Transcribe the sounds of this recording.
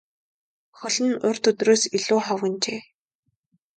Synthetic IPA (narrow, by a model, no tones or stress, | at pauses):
xɔɮɘ̆nʊr̥ʲt̪ɵt̪roːsiɮuːχɔwɣɘ̆nt͡ɕeː